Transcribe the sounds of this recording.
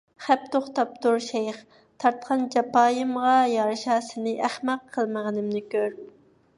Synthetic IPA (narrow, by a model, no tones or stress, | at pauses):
χæp̚t̪ʰoχt̪ɑp̚t̪uɾʃejχ | t̪ʰɑɾt̪qʰɑnd͡ʒɑpɑːjimʁɑjɑɾʃɑːsɨnɨʔæχmɛqʰːəlˠməʁənɪmnɪkʲøɾ